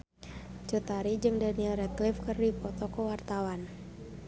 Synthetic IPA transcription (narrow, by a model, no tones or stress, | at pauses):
t͡ʃut̪aɾid͡ʒɨŋdanilrɛt̪̚lifkɨrdipɔt̪ɔkəwart̪awan